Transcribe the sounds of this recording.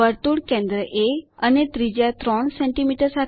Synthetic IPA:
əɾt̪uːɽkẽnd̪ɾəʔeənet̪ɾid͡ʑjat̪ɾɔɳsẽɳʈimiʈəɾsat̪

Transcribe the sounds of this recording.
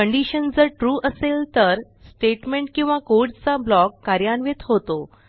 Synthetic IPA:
əɳɖiɕənd͡zəɾʈɾuːʔəselt̪əɾ | sʈeʈmeɳʈkĩw̃ʋakoɾʈt͡sablɔkːaɾjanʋet̪ɦot̪o

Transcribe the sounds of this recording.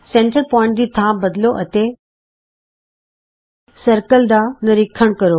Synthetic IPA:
sẽːɳʈəɾpɔːɪ̃ɳʈd͡ʑit̪ʰãbɐd̪ɪloʔɐt̪e | sɐɾkəld̪anɐɾikʰəɽ̃kɐɾo

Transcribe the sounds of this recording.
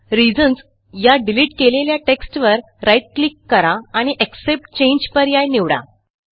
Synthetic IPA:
ɾid͡zəns | jaɖiliʈkeleljaʈeksʈʋəɾ | ɾajʈ̚klikːəɾaːɽ̃iʔeksep̚ʈ̚t͡ɕẽɲd͡ʑpəɾjajniʋɽa̰

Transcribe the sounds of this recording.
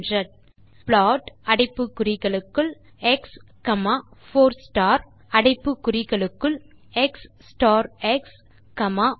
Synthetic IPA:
drɐʈ | pɭaːʈɐɽɪpːɯkːʊrɪɣɐɭɯkːɯɭ | ɛks | kɐmaːfoːɾsʈaːɾ | ɐɽɐɪpːɯkːʊrɪɣɐɭɯkːɯɭ | ɛksːʈaːɾɛks | kɐmaː

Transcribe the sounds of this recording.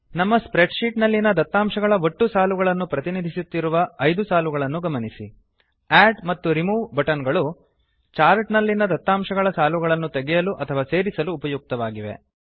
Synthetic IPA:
nɐmːɐspɾeɖʃiːʈnɐlːinɐd̪ɐt̪ːaːmʃɐɡɐɭɐo̞ʈːusaːluɡɐɭɐnːupɾɐt̪inid̪ʱisut̪ːiɾuʋɐɐjd̪usaːluɡɐɭɐnːuɡɐmɐnisḭ | æːɖmɐt̪ːuɾimuːbɐʈɐnɡɐɭu | t͡ʃaːɾʈnɐlːinɐd̪ɐt̪ːaːmʃɐɡɐɭɐsaːluɡɐɭɐnːut̪eɡɛjɐluʔɐt̪ʰɐʋaːse̞ːɾisɐluːpɐjuk̚t̪ɐʋaːɡiʋe̞̰

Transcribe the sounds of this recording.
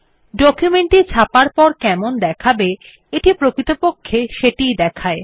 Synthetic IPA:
ɖɔkjumeɳʈit͡ɕʰapaɾpɔɾkɛmond̪ɛkʰabe | eʈipɾokɾit̪opokʰːeʃeʈijd̪ɛkʰae

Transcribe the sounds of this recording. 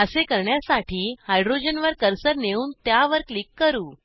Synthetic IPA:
əsekəɾɳjasaʈʰiːhajɖɾod͡ʑənʋəɾkəɾsəɾneuːnt̪jaʋəɾklikːəɾuː

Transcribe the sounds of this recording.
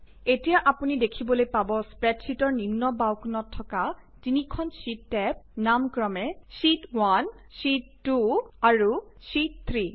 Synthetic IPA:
etijaʔapunidekʰibɔlojpabɔspɹɛtsitɔɹnimnɔbawknɔtʰːɔka | tinikʰɔnsitːɛp̚namkɹɔmɛsitwan | sitːuaɹu | sit̚t̪ʰɹi

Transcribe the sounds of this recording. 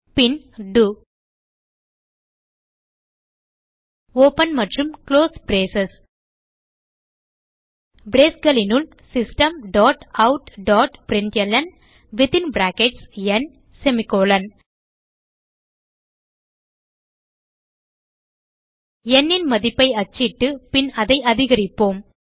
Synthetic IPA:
pin | ɖu | oːpɐnmɐʈɾumkloːsbɾeːsɐs | bɾeːsɡɐlinul | sɪsʈɐmɖɔːʈaʊʈɖɔːʈpɾɪɳʈɛlːɐn | ʋɪt̪ɪnbɾaːkɛʈsɛn | sɛmɪkoːlɐn | ɛnːɪnmɐðɪpːɐɪɐt͡ʃːɪʈːɯpɪnɐðɐɪɐðɪɣɐɾɪpːoːm

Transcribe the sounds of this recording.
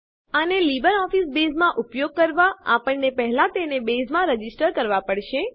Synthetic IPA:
ənelibəɾɔfisbezmãʔupjoɡ̚kəɾʋaapəɳnepɛɦlãt̪enebezmãɾəd͡ʒisʈəɾkəɾʋapəɽʃe

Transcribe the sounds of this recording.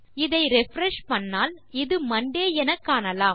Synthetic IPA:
ɪðɐɪɾɛfɾɛʂpɐnːaːlɪðɯmɐɳɖeːɛnɐkːaːnɐlaːm

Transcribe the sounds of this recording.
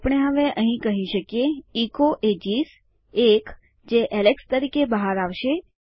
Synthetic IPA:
pəɽ̃eɦəʋeʔəɦĩkəɦĩʃəkjeikoʔed͡ʒis | ek | d͡ʒeʔɛlekst̪əɾikebəɦaɾaʋʃe

